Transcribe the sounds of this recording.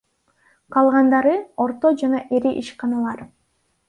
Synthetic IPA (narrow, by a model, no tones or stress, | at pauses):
qʰɑlˠʁɑnd̪ɑɾɯo̞ɾt̪o̞d͡ʒɑnɑʔeɾiʔiʃqɑnɑlˠɑɾ